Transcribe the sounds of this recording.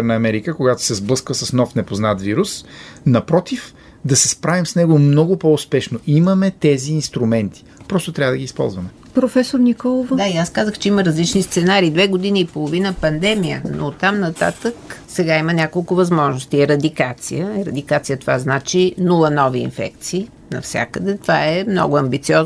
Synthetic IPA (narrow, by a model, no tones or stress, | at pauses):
ɾnəːmɛɾikəkoɡat̪ʊ̥sɛzblˠɤskvəsɐsnɔfnɛpoznat̪viɾusnɐpɾɔt̪if | d̪ɐsɛspɾavimsnɛɡomnɔɡʊpoʊspɛʃnoʔiməmɛt̪ɛziːnst̪ɾʊmɛnt̪i̥pɾɔst̪ʊt̪ɾʲavəd̪ɐɡiːspɔ̰lˠzvɐmɛ | pɾofɛsoɾnikɔlˠovod̪aiaskazəxt͡ʃɛiməɾɐzlit͡ʃnist̪sɛnaɾiːd̪vɛɡod̪iniːpolˠovinəpɐnd̪ɛmijə̰nʔo̰t̪ːamnɐt̪a̰t̪əksɛɡaimənʲakolˠkʊvɐzmɔʒnʊst̪iɛɾɐd̪ikat̪sḭəɛɾɐd̪ikat̪sijət̪ovaznat͡ʃinulˠənɔvḭːnfɛ̰kt̪siː | nɐfsʲja̰kəd̪ɛt̪ovaɛmnɔ̰ɡʊɐmbit̪siɔz